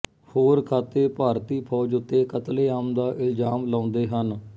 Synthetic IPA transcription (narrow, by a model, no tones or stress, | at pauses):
hoːɾkʰaːt̪eːpaːɾt̪iːpʰɔːd͡ʒʊt̪ːeːkət̪leːaːmd̪aːʔɪld͡ʒaːmlãːʊnd̪eːɦən